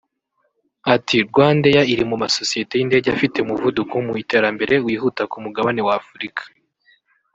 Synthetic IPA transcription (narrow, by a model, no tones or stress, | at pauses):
atiɾɡwaːndejaiɾimumaso̞sije̞te̞jinde̞ːɟeafite̞muvudukomuite̞ːɾambe̞ɾe̞wiːɦutakumuɡaβane̞waːfuɾikʰḁ